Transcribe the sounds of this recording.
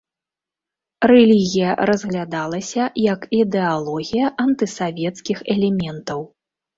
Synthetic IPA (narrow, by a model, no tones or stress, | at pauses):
rɛlʲiɣʲijɐɾɐzɣlʲad̪alˠɐsʲɐjɐkid̪ɛalˠɔɣʲijɐʔɐnt̪ɨsavʲɛt̪skʲixɛlʲɛmʲɛnt̪ɐw